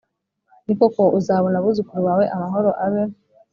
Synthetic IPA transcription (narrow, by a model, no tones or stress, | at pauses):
nikokoʔuzaβonaβuzukuɾuwaːwe̞ʔamaɦo̞ɾoʔaβe